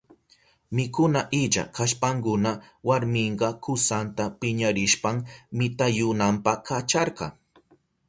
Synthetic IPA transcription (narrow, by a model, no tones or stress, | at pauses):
mɪkʊnaʔɪt͡ʃa̰kaʃpaŋkʊnawaɾmɪɴɢɑkʊsant̪apɪɲaɾɪʃpaŋmɪt̪ajʊnampɑkat͡ʃɑɾɢɑ